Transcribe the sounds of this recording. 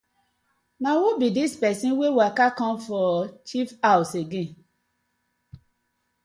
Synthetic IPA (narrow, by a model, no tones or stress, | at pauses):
nãwobidispɛsĩwewakakɔ̃mfɔt͡ʃifawseɡẽ